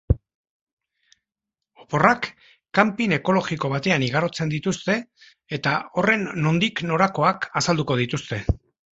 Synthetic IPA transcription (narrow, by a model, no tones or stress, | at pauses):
opo̞rakː | ampine̞ko̞lo̞ɣiko̞β̞at̪e̞aniɣ̞aɾo̞t͡se̞nd̪it̪ust̪e̞ː | t̪ao̞re̞nːo̞nd̪ikno̞ɾako̞akasald̪uko̞ð̞it̪ust̪e̞